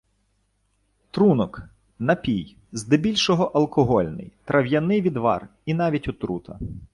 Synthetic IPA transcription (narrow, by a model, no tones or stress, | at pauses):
t̪ɾunɔk | nɐpʲij | zd̪ɪbʲilʲʃɔɦɔʔɐlˠkɔɦɔlʲnɪ̰jt̪ɾɐwjɐnɪʋʲid̪ʋɑ̰r | inɑʋʲitʲɔt̪ɾut̪ʰɐ̰